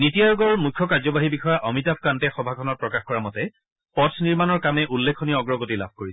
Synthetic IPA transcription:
nitijajuɡɔɹmukʰːɔkaɹzɔbaɦibixɔjaʔɔmitap̚ʰkantɛxɔbʱakʰɔnɔt̚pɹɔkaxkɔɹamɔtɛ | pɔtʰniɹmanɔɹkamɛʔulːekʰːɔniɔɔɡɹɔɡotila̰bʱkoɹisɛ̥

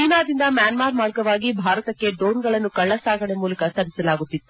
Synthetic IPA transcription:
t͡ʃiːnaːd̪ind̪ɐmjaːnmaːɾmaːɾɡɐʋaːɡibʱaːɾɐt̪ɐkːe̞ɖoːnɡɐɭɐnːukɐɭːɐsaːɡɐɳemuːlɐkɐsɐɾisɐlaːɡut̪ːit̪ːu

